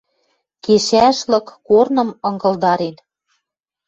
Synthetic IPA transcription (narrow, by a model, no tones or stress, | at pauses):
keʃæʃlɤ̆kːornɤ̆mɤ̆ŋɡɤ̆ld̪ɑɾen